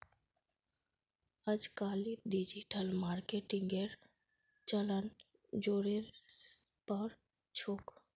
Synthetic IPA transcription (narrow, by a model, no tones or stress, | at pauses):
əd͡ʒkaːliɖid͡ʒiʈəlmaːɾkeʈɪ̃ŋɡeɾ | t͡ʃələn | d͡ʒoːɾe | pəɾ | t͡ʃʰoːk